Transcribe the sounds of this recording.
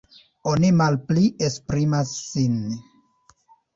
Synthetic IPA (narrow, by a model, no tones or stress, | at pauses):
o̞nimalpliespɾimasːin